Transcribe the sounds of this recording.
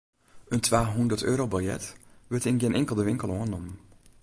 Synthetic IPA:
əntʋaːɦundəɹtøːɾowbɑljɛ̰tʋəɹtɪnɡenʔɛŋkəlˠdəʋɪŋkəlˠoənɔmn

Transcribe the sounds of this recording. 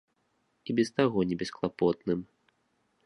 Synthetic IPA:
ibʲɛst̪aɣɔnʲɛbʲɛsklˠapɔt̪nɨm

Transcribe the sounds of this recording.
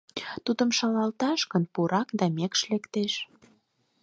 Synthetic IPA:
t̪ud̪əmʃɑlɑlt̪ɑʃkənpuɾɑkd̪ɑmekʃlekt̪eʃ

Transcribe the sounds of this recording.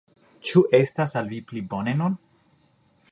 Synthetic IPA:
t͡ʃuʔe̞stasalviplibo̞ne̞nun

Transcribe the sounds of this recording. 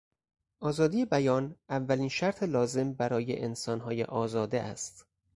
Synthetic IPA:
ʔɒːzɒːd̪iːje̞bæjɒːnʔævːæliːnʃæɾt̪ʰelɒːze̞mbæɾɒːjḛʔensɒːnɦɒːjḛʔɒːzɒːd̪ḛʔæ̰st̪

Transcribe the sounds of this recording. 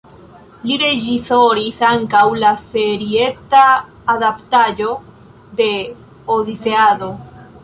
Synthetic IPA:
liɾe̞d͡ʒisoɾisaŋkawlafe̞ɾie̞t̪aː | ðapt̪ad͡ʒo̞ | d̪e̞ | oðiseaðo̞

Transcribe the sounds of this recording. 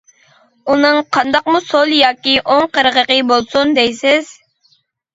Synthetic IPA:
unɨŋqʰɑnd̪ɑqmusolˠjɑːkʲiʔoŋqəɾəʁəqəbolˠsund̪ɛjsɪz̥

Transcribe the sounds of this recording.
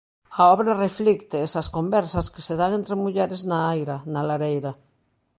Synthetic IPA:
aɔβɾareflikt̪eːsaskombɛɾsaske̥seðaŋẽnt̪ɾemuʎɛɾeznaajɾanalaɾejɾa

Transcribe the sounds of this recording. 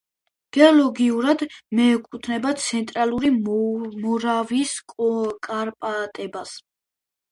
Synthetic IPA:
ɡ̥ɛɔlɔɡiuɾad̪mɛːkʼut̪ʰnɛbat̪sʰɛnt̪ʼɾalˠuɾimɔɾaviskʼɔkʼaɾpʼat̪ʼɛbas

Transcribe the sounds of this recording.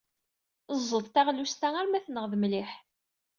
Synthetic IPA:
əzˤːəðˤt̪æʁlust̪æŋæɾmæθnəʁðmliħ

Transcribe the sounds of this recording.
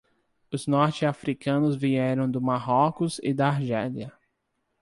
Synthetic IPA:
ʊznɔɾt͡ʃɪafɾikɐ̃nʊzviɛɾɐ̃w̃d̪ʊmaɦɔkʊzɪ̰d̪ɐaɾʒɛliɐ

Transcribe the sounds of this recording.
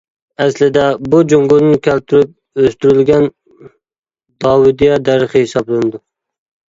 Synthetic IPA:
æslɪd̪abʊd͡ʒoŋɡʊlnɪkʲʰælp̚t̪ʰʊɾɪp̚ | øst̪ʊɾɪlɡʲan | d̪̥ɒwɪd̪ijad̪aɾɨχɪhɪsɑblˠand̪ɪ

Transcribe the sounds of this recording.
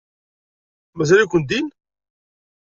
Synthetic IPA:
mæzælikʷːənd̪in

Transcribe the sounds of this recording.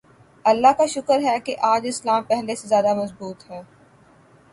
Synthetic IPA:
ɐlːaɦkaʃʊkəɾɦɛkeʔaːd͡ʒɪslaːmpɛɦlesezjaːd̪amɐzbuːt̪ɦɛː

